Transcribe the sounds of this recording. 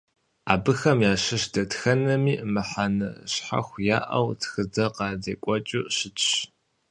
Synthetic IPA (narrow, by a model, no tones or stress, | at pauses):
a̰ːbɨxɐmjaːɕɨʃd̥ɐtxɐnɐmiːʔmɨħanɨ̰ɕħa̰xʷjaːʔɐ̰wtʰxɨd͡zɐqɑːzeːkʷʼɔt͡ʃʼuʔɕɪt͡ʃʰʼɕ